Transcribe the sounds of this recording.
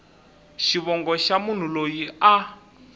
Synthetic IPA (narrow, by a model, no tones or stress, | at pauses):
ʃiβɔŋɡɔʃamun̤ulojia